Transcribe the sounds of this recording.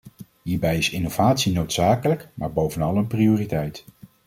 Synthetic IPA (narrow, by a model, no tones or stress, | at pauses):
ɦiːɹbɛjɪsɪnowvaːtsinowtsaːkələkma̰ːɹbowvənɑlˠənprioːritɛjt